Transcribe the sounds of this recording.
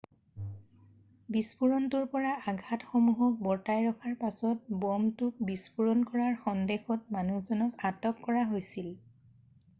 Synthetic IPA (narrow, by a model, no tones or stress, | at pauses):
bispuɹɔntuɹpɔɹaaɡʱatxomuɦɔk̚bɔɹtajɹɔkʰaɹpasɔt̚bɔmtʊk̚bispuɹɔnkɔɹaɹxɔndexɔt̚manuzɔnɔkatɔkkɔɹaɦojsil